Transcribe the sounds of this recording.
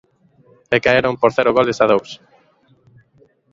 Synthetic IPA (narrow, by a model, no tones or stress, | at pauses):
ekaeɾompoɾθɛɾʊɣolesað̞ows